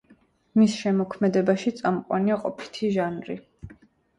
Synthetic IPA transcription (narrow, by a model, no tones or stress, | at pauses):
misʃɛmɔkʰmɛd̪ɛbaʃit̪sʼamqʼwa̰niaqʼɔpʰi̥t̪ʰiʒanɾḭ